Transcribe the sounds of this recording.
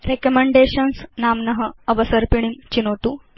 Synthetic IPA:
ɾekəmeɳɖeɕənsnamnɐɦəəbəsəɾpiɳimt͡ɕinot̪u

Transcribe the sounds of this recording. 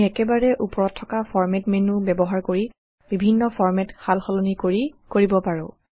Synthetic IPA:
ɛkɛbaɹɛʔupɔɹɔtʰːɔkafʰɔɹmɛtmenubɛbɔɦaɹkoɹi | b̥ibʱinːɔpɔɹmɛtxʰalxɔlɔnikoɹikoɹibɔpaɹɔ̃

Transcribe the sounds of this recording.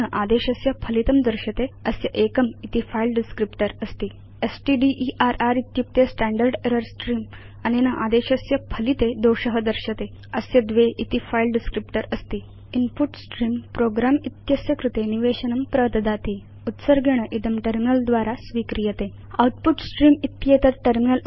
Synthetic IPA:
əʔad̪eɕəsjɐpʰəlit̪əmd̪əɾɕət̪eəsjəʔekəmit̪ifailɖiskɾipʈəɾəst̪iː | esʈiɖiʔiʔaɾaɾit̪jup̚t̪esʈæ̃ɳɖəɾɖeɾəɾsʈɾiːm | añinəʔad̪eɕəsjəpʰəlit̪ed̪owɕəɦəd̪əɾɕət̪e | əsjəd̪ʋeʔit̪ifailɖiskɾipʈəɾəst̪iː | inpuʈsʈɾiːmpɾoɡɾamit̪jəsjɐkɾut̪eniʋeɕənəmpɾəʋt̪d̪at̪i | ut̪səɾɡʱeɽ̃əʔid̪əmʈəɾminəld̪ʋaɾasʋikɾijət̪e | a̰uʈpuʈsʈɾiːmit̪jet̪ət̪ʈəɾminəl

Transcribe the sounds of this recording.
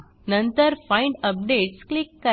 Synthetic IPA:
nɐ̃nt̪ɐɾfɐ̃ɪ̃ɳɖɐp̚ɖeːʈsklɪkːɐ

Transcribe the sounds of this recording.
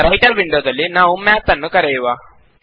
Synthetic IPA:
ɾɐjʈɐɾʋiɳɖjoːd̪ɐlːinaːʋumɛːt̪ːɐnːukɐɾejuʋaː

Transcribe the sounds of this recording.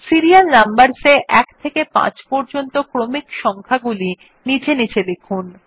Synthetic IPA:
siɾialnambaɾseʔɛkt̪ʰekepã̰t͡ɕpɔɾd͡ʑont̪okɾomikʃɔŋkʰaɡuli | nit͡ɕʰenit͡ɕʰelekʰun

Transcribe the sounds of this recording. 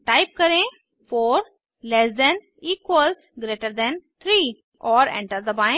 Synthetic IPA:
ʈaɪp̚kəɾẽ | foːɾ | lɛsd̪ɛ̃n | iːkwəlsɡɾeːʈəɾd̪ɛ̃nt̪ʰɾiː | ɔːɾɛ̰̃ɳʈəɾd̪əbãɪ̃

